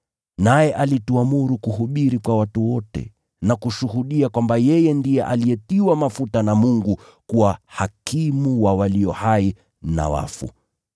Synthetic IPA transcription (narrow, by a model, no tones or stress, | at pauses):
najɛʔalituamuɾukuɦuɓiɾikwawatuwɔtɛ̰ | nakuʃuhuɗiakwambajɛjɛndijɛʔalijɛtiwamafutanamuŋɡu | kuwahakimuwawaliɔhai | na̰wa̰fṵ